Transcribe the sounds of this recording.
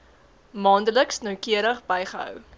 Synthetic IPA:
mɑːndələksnœwkiəɾəχbɛjχəɦœ̰w

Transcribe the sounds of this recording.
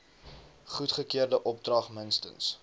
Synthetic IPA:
χutχəkiərdəʔɔp̚drɐχmənstə̰ns

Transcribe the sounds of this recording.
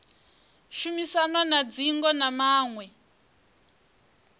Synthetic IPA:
ʃumisanwanad͡ziŋɡɔnamaːŋwɛ

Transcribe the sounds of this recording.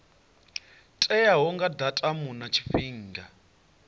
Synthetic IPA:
tʼɛjaɦɔŋɡadatʼamunat͡ʃʰi̥ɸiːŋɡa

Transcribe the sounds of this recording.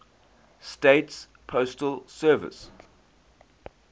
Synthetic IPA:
steɪts | pʰostəlsɜːvɪ̰s

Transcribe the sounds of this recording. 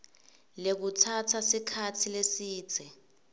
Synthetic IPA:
lek̬utʰatʰasikʰatʰilesi̥ːt͡sʰɛ

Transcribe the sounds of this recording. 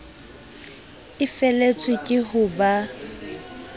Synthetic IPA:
ɪfɛlet͡sʼwɪkʼɪɦʊba

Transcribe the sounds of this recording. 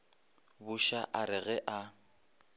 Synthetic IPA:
bʊʃaʔaɾɪɣɛʔa

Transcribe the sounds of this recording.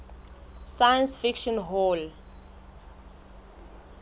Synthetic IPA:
sajə̃nsfikʃɔ̃nɦol

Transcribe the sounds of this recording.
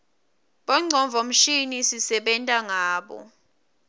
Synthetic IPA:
ɓɔŋ͡ǀʱɔɱvʱom̩ʃinisisɛɓɛntʼaŋaːɓɔ̰

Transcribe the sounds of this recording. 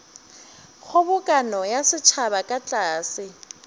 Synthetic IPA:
ɣʊbʊkʼanɔjasɪt͡ʃʰaβakʼat͡ɬʼaːsɪ

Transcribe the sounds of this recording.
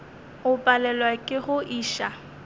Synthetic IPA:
ʊpʼalɛlwakʼɪχʊʔiːʃa

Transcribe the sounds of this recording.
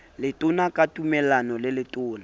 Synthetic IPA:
lɪtʼʊnakʼatumɛlanɔlɪlɪtʼʊːna

